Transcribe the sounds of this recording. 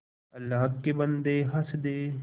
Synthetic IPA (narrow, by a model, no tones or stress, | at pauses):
ɐlːaːɦkebənd̪eɦɐsd̪eː